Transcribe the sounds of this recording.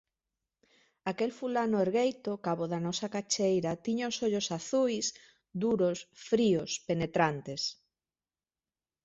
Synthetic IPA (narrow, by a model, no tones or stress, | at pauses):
akelfulanoeɾɣejt̪okaβoðanɔsakat͡ʃejɾat̪iɲaʊsoʎosaθujs | d̪uɾosfɾiospenet̪ɾant̪es